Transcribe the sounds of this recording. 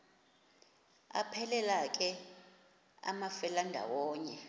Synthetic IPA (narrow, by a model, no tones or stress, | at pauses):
a̰pʰɛlɛlak̬ʼɛ | a̰mafɛlandʱa̰wɔːɲɛ